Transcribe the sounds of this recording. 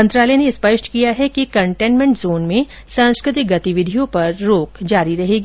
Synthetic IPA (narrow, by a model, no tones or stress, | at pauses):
mɐ̃nt̪ɾaːləneɪspɐʃkijaɦɛkikɐ̃ɳʈẽːnmẽɳʈzoːnmẽ | sãːskɾɪt̪ɪk̚ɡɐt̪ɪʋɪd̪ʱijõpɐɾːoːkd͡ʒaːɾiɾɐɦeːɡiː